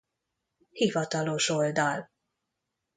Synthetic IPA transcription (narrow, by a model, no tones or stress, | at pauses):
hivɒt̪ɒlo̞ʃo̞ld̪ɒl